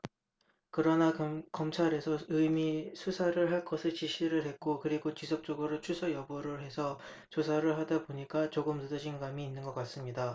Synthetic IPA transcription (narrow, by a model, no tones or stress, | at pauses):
kɯɾʌnakʌmt͡ɕʰaɾe̞sʰʌɯmisʰusʰaɾɯɭɦaɭk͈ʌsʰɯɭt͡ɕiɕʰiɾɯɭhe̞t̚k͈okɯɾiɡot͡ɕisʰʌk̚t͡ɕ͈oɡɯɾot͡ɕʰusʰʌjʌbɯɾɯɭɦe̞sʰʌ | t͡ɕosʰaɾɯɭɦadaboɲik͈at͡ɕoɡɯmnɯdʌd͡ʑinɡamiːnːɯnɡʌk͈as͈ɯmɲida